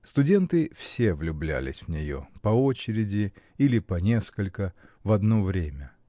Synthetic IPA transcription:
st̪ʊdʲe̞nt̪ɨfsʲe̞vlʲʊblʲæ̰lʲɪ̰sʲvnʲɪjo̞̰pɐo̞t͡ɕɪɾʲɪdʲɪilʲɪpɐnʲe̞skəlʲkəvɐd̪no̞vɾʲemʲə

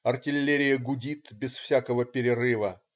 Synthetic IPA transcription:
ɐrtʲɪlʲːeɾʲɪjəɡʊdʲit̪bʲɪsfsʲakəvəpʲɪɾʲɪrɨvə

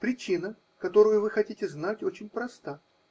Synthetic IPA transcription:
pɾʲɪt͡ɕinə | kɐt̪o̞ɾʊjʊvɨxɐtʲitʲɪznatʲo̞t͡ɕɪnʲpɾɐst̪a

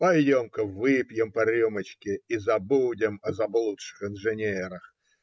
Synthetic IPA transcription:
pɐjdʲomkəvɨpʲjɪmpɐɾʲumət͡ɕkʲɪizɐbudʲɪmɐzɐblˠut̪ʂɨ̥xɪnʐɨnʲeɾəx

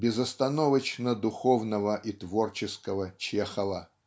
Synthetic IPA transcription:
bʲɪzɐst̪ɐnovət͡ɕnəd̪ʊxovnəvəʔit̪vort͡ɕɪskəvət͡ɕexəvə

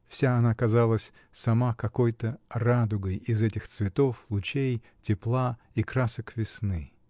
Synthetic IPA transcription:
fsʲaɐnakɐzalˠəsʲ | sɐmakɐko̞jt̪ərad̪ʊɡəjɪzɛtʲɪxt̪svʲɪt̪o̞flˠʊt͡ɕej | tʲɪplˠa | ikɾasəkvʲɪsnɨ

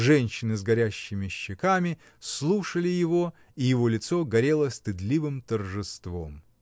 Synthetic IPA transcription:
ʐɛnʲɕːɪnɨzɡɐɾʲæɕːɪmʲɪɕːɪkamʲɪ | slˠuʂəlʲɪjɪvo̞ | ijɪvo̞lʲɪt̪so̞ɡɐɾʲelˠəst̪ɨd̪lʲivɨmt̪ərʐɨst̪vo̞̰m

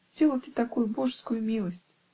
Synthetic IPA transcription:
sʲt͡sʲilˠɐt̪ʲɨt̪akujubɔʂskʊjumʲilˠɐsʲt͡sʲ

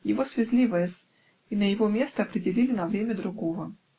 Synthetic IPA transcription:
jɪvosvʲɪzʲlʲivəjɪsʲ | inəjɪvomʲe̞st̪əɐpɾʲɪdʲɪlʲilʲɪnɐvɾʲemʲəd̪ɾʊɡovə

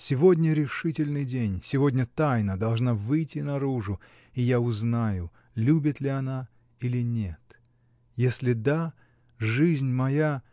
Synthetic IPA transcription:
sʲɪvo̞dʲnʲəɾʲɪʂɨtʲɪlʲnɨjdʲenʲsʲɪvodʲnʲət̪ajnəd̪ɐlˠʐnavɨjtʲɪnɐɾuʐʊ | ijaʊznajʊ | lʲubʲɪt̪lʲɪɐna | ilʲɪnʲet̪ | jesʲlʲɪd̪a | ʐɨzʲnʲmɐja

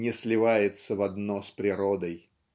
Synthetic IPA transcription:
nʲɪslʲɪvajɪt̪səvɐd̪nospɾʲɪɾod̪əj

